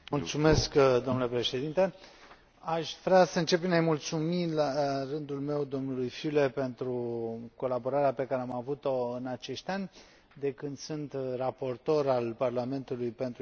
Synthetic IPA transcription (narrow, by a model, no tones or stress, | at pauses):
mult̪sume̞skd̪o̞mnule̞pɾe̞ʃe̞d̪int̪e̞ | aʃʲvɾeasəɨnt͡ʃe̞pinejmult̪sumilarɨnd̪ulme̞wd̪o̞mnulujfyle̞pe̞nt̪ɾuko̞labo̞ɾaɾeape̞kaɾe̞amavut̪o̞ɨnat͡ʃe̞ʃt̪ʲanʲ | d̪e̞kɨnd̪sunt̪rapo̞rt̪o̞ɾalparlame̞nt̪ulujpe̞nt̪ɾ